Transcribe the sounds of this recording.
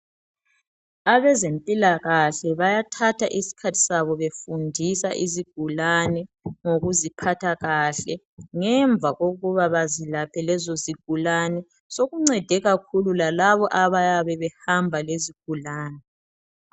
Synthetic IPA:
aβɛzempʼilaɣaɬɛβajatʰatʰaʔisi̥kʰatʰi̥saβɔβefundʱisa̰ʔiziɡ̥ʱulanɛŋoɣuzipʰatʰaɣaɬɛ | ŋɛɱb̪vʱaɣoɣuβaβazilapʰɛlɛzoziɡ̥ʱulanɛ | soɣuŋ͡ǀɛd̥ʱɛɣakʰululalaβɔʔaβajaβɛβɛhambʱaleziɡ̥̚ʱulaːnɛ

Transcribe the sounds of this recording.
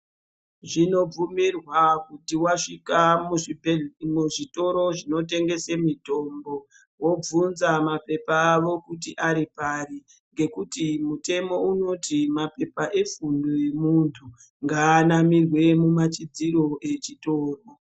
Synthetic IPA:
ʐino̞b͡vumirwakutiwaʂikam | muʐito̞ɾo̞ʐino̞te̞ŋɡe̞semito̞mbo̞ | wo̞b͡vunzamape̞paːʋo̞kutiʔaɾipari | ŋɡe̞kutimute̞mo̞uno̞tʰimape̞paʔe̞fundoje̞muntʰu | ŋɡaːnamirwe̞mumat͡ʃid͡ziro̞ʔe̞t͡ʃitoːro

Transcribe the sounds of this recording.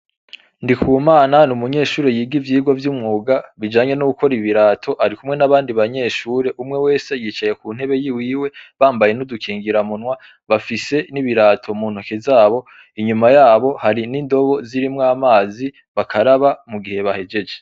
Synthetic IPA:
ndikʰuːmaːnanumuɲe̞ːʃuːɾejiːɡivjiːɡwovjumŋuːɡaβid͡ʒaːɲe̞nuɡuko̞ɾiβiɾaːtʰo̞ʔaɾikumŋe̞naβaːndiβaɲe̞ːʃuːɾe̞ʔumŋe̞we̞ːse̞jiːt͡ʃaje̞kuːn̥he̞βe̞jiwiːwe̞βaːmbaje̞nudukʰiːŋɡiɾamunwa | βafise̞niβiɾaːtʰo̞muːn̥ukezaːβo̞ | iɲumajaːβo̞haɾiniːndo̞βo̞ziɾimŋaːmaːzi | βakʰaɾaβamuɡihe̞βahe̞d͡ʒe̞d͡ʒe

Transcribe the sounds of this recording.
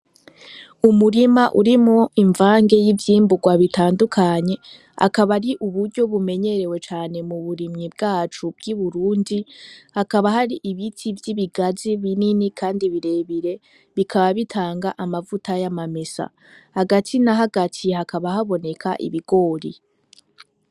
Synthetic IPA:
umuɾimaʔṵɾimoiɱvaːŋɡe̞jivjiːmbuɡwaβitʰaːndukʰaɲe̞ | a̰kaβaɾiʔuβuɾɟo̞βume̞ɲe̞ɾe̞we̞t͡ʃaːne̞muβuɾimŋibɡaːt͡ʃub̚ɡiβuɾuːndihakaβahaɾiʔiβitʰivjiβiɡaziβininikʰaːndiβiɾe̞ːβiɾe̞ | βikʰaβaβitʰaːŋɡaʔamavutajamamesa̰ | haɡatʰinaɦaɡatʰihakʰaβahaβo̞ne̞kʰa̰ʔḭβiɡo̞ːɾi

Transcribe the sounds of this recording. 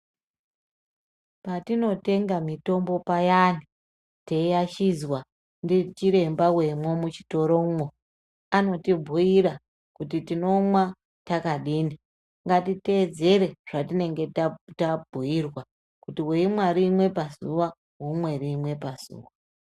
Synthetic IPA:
patino̞te̞ŋɡamito̞mbo̞pajani | teijaʃizwa | ndit͡ʃiɾe̞mbawe̞mwomut͡ʃi̥to̞ɾo̞mwo | ano̞tibʱuiɾa | kut̬itino̞mwa | takaɗiːni | ŋɡatite̞d͡ze̞ɾe̞ʐ̥atine̞ŋɡe̞tatabʱuirwa | kutiweimwaɾimwe̞pazuʋa | ɦumwe̞rimwe̞paz̥ṵːʋa

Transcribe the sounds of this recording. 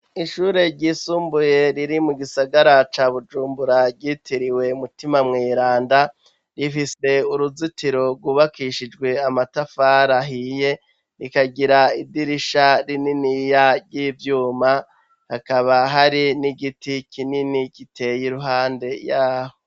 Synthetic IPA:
iʃuɾe̞ɾɟiːsuːmbuje̞ɾiɾimuɡisaɡaɾat͡ʃaːβud͡ʒuːmbuɾaɾɟiːtʰiɾiwe̞mutimamŋiːɾaːnda | ɾifise̞uɾuzitiɾo̞ɾɡwuβakiʃid͡ʒɡwe̞amatafaːɾaɦije̞ | ɾikaɡiɾaidiɾiʃaɾininijaɾɟiːvjuːma | hakaβaɦaɾiniɡitikʰininikitʰe̞jiɾuɦaːnde̞jaːho

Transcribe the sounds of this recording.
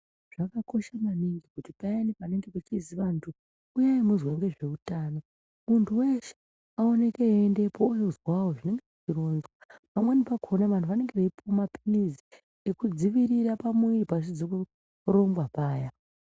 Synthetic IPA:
ʐ̥akako̞ʃamaniŋɡikutipajanipane̞ŋɡepet͡ʃiziʋantʰuː | jaimuzweŋɡe̞ʐe̞utaːno̞ | muntʰuwe̞ʃe̥ | ao̞ne̞keaende̞poujozwawoʐine̞ŋɡe̞ʐit͡ʃiɾo̞nzwapamwenipakʰonaʋantʰuʋane̞ŋɡe̞ʋeipomapinizi | ekud͡ziʋiɾiɾapamwiripas̬id͡zoku | ro̞mbwapaːja

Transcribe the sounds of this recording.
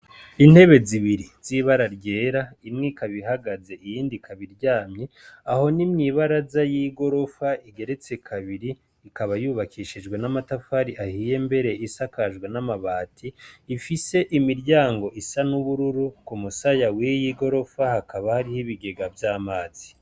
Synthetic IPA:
in̥he̞βe̞ziβiɾiz̥iβaɾaɾɟe̞ːɾaimŋikaβiɦaɡaze̞ijiːndikʰaβiɾɟaːmɲe̞aho̞nimɲiːβaɾazajiɡo̞ɾo̞faiɡe̞ɾe̞t͡se̞kʰaβiɾi | ikaβajuːβakʰiʃid͡ʒɡwenamatafaɾiʔahiːje̞mbe̞ɾe̞ʔisakaʒɡwenamaβaːtʰiːfise̞ʔimiɾɟaːŋɡo̞ʔisanuβuɾuɾukumusajawijiɡo̞ɾo̞fahakaβahaɾihiβiɡe̞ɡavjaːmaːz̥i

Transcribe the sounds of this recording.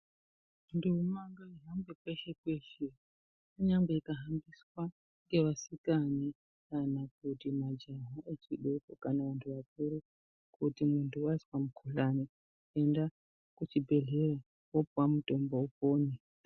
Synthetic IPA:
ndiumaŋɡaiɦambɡwekweʃe̞kwe̞ʃe | uɲaŋɡeikaɦambiswa | ŋɡe̞ʋasikani | kanak̚utimad͡ʒaɦaʔet͡ʃiɗekokanaʋantʰuʋakuɾu | kutimuntʰuwaswamukʰuɬani | e̞nda | kut͡ʃibʱe̞ɮe̞ɾa | wopwamuto̞mboupoːne

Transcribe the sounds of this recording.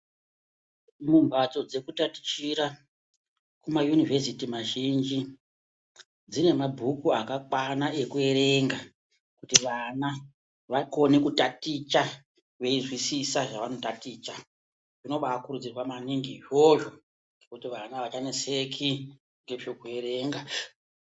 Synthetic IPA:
mumbat͡so̞d͡ze̞kutati̥t͡ʃiɾa | kumajunivʱesitimaʒind͡ʒi | d͡zine̞mabʱukuakakwanaʔe̞kue̞ɾe̞ŋɡa | kutiʋana | ʋako̞nekutatit͡ʃa | ʋe̞izwisisaʐaʋano̞tatiːt͡ʃa | ʐino̞ɓakuɾud͡zirwamaniŋɡiʐoʒo̞ | ŋɡekutiʋanaʋat͡ʃanese̞kʰi | ŋɡe̞t͡ʃokue̞ɾe̞ŋɡa

